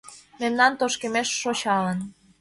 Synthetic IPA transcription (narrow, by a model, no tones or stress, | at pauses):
memnɑnt̪oʃkemeʃːot͡ɕɑlən